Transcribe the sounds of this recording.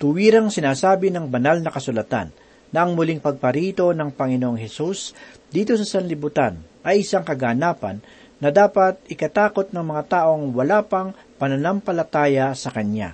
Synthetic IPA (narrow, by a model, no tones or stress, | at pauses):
t̪ʊwiːɾɐŋsɪnaːsaːbɪnɐŋbɐnalnɐkɐsʊlɐt̪a̰nː | ɐʔɐŋmʊliŋpɐɡ̚pɐɾiːt̪o̞nɐŋpɐŋɪnoʔoŋɦɛsusd̪iːt̪o̞sɐsɐnlɪbʊt̪anʔɐjʔɪsaŋkɐɡanaːpɐ̰nː | ɐd̪aːpɐt̪̚ɪkɐt̪aːko̞t̪̚nɐŋmɐŋat̪aːʔo̞ŋwɐlaːpɐŋ | pɐnɐnɐmpɐlɐt̪aːjɐsɐkɐnja̰